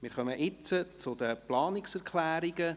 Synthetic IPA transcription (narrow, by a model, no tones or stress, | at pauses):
mɪːɾχœməʔɪt͡sət͡sʊd̪əplɑːnɪksɛɾkʰlæːɾiɡə